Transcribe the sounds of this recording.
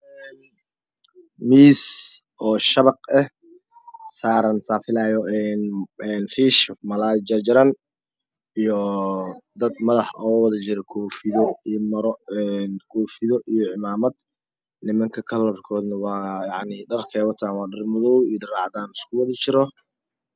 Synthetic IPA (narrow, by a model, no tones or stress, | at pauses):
miːs | ʔɔːʃɐβɑqɛh | saːɾɐnsaːfɪlaːjɔɛnɛːnfiːʃmɐlaːd͡ʒɐd͡ʒɪɾɐn | ijɔ | d̪ɐd̪mɐðɑħɔːwɐðɐt͡ʃɪɾɛkʰɔːfɪðɔmɐɾɛnkʰɔːfɪðɔʔijɔʕɪmaːmɐd̪ | nɪmɐŋkʰɐkʰɐlɔrkʰɔːd̪nɐwɑːjɑʕniɖɐrkʰɛːwɐt̪ʰaːnwɑːɖɐrmʊðɔwijdɐrɑːʕd̪aːnɪskʰʊwɑðɐt͡ʃɪɾɔ